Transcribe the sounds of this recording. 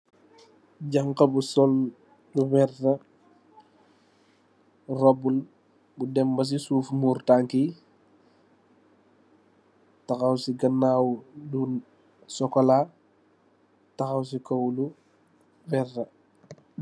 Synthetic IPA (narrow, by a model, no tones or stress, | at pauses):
ɟaŋkɐbusɔl | luwɛrtɐ | robul | budɛmbɐs̬isuːfmuːɾtaŋki | taxawsiɡɐnːaːwdun | sɔkola | taxɐws̬ikowlu | vɛrtɐ